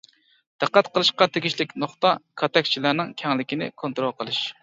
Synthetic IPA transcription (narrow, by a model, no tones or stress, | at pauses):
d̪̥æqːæt̪qəlˠɨʃqɑt̪ʰeɡʲiʃlɪkʲnoχt̪ɑkʰɑt̪ɛk̚ʲt͡ʃʰilæɾnɪŋkʲʰɛŋlɪkʲinɪ̰kʰont̪ɾolˠqʰəlˠɨʃ